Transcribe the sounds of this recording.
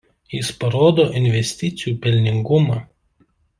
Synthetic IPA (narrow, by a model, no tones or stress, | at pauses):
jɪspɐɾoːd̪oːʔɪnʲʋʲɛsʲt̪ʲɪt̪sʲɪjuːpʲɛlʲnʲɪŋɡʊmɑː